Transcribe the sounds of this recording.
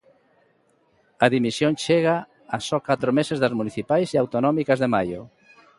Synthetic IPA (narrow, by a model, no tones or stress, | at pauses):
ɐðimisjoŋʃeɣaː | sɔkat̪ɾomesezðɐzmuniθipajsiawt̪onɔmikɐzðemajo̰